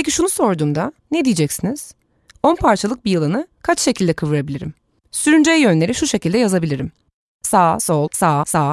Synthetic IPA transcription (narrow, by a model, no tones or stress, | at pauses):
pʰec̬iʃunuso̞ɾd̪uːmd̪aned̪ijid͡ʒɛcsiniz̥ | o̞npʰaɾt͡ʃʰalˠɯk̚bijɯlˠanɯkʰat͡ʃʃe̞cʰilʲd̪ɛkʰɯvɯɾabilʲiɾḭm | syɾynd͡ʒejjø̞nlʲe̞ɾiʃuʃe̞cilʲd̪ɛjazabilʲiɾim | saːso̞lˠsaːsaː